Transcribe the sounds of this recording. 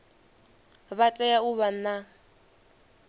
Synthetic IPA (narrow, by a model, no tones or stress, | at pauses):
βatʼɛjauβan̩na